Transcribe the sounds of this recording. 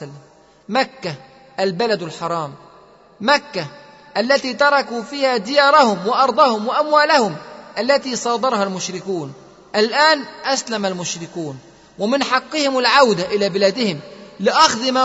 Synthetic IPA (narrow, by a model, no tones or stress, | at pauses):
lːm | makːa | ʔalbalad̪alħɑɾˤɑːmː | akːa | ʔalːat̪iːt̪ɑɾˤɑkuːfiːhaːd̪ɪjɑːɾˤɑhʊmwɪʔɑɾˤd̪ˤɑhʊmwɪʔamwaːlahʊmʔalːat̪iːsˤɑːd̪ˤɑɾˤhalmʊʃɾɪkuːn | ʔalʔaːnʔaslamalmʊʃɾɪkuːn | wamɪnħɑqːɨhɪmalʕawd̪aʔɪlaːbɪlaːd̪ɪhɪmlɪʔɑxd̪ˤɪma